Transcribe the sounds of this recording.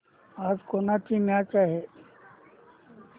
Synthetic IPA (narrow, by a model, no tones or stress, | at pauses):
aːd͡ʒkonat̪ʰimat͡ʃaːɦe